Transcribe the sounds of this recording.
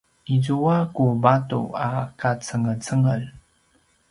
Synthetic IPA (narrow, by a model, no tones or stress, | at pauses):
ʔizuakubatṵakat͡səŋət͡səŋəl